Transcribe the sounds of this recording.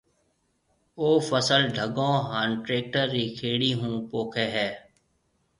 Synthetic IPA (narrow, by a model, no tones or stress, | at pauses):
oːfəsəlɖʱəɡõːɦaːnʈɾeːk̚ʈəɾːiːkʰeːɽiːɦũːpoːkʰeːɦɛː